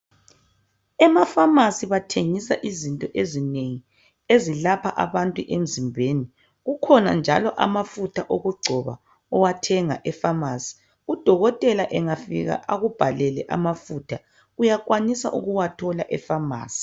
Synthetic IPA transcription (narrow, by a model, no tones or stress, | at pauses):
ɛmafamasiβatʰeŋisa̰ʔizintʼɔʔezineŋi | ezilapʰaʔa̰βantʼuʔem̩zimbʱeːni | ɣukʰɔna̰nd͡ʒʱa̰lɔʔamafutʰaʔoɣuɡ͡ǃʱɔβa̰ | ɔwatʰɛŋa̰ʔɛfamasi̥ | ud̥ʱɔɣɔtʼɛlaʔɛŋafḭɣa̰ʔaɣub̥ʱalɛlɛʔa̰mafutʰa | ɣujakwanisa̰ʔuɣuwatʰɔlaʔɛfama̰ːsi̥